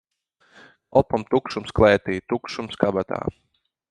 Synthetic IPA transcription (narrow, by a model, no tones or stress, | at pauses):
ɔpɔmt̪ukʃumsklˠɛːt̪iːt̪ukʃumskabat̪a̰ː